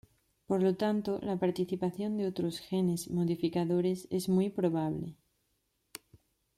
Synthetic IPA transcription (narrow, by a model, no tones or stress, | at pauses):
po̞ɾlo̞t̪ant̪o̞lapaɾt̪iθipaθjo̞nd̪eot̪ɾo̞sxe̞ne̞zmo̞ðifikaðo̞ɾe̞se̞zmjpɾo̞β̞aβle̞̰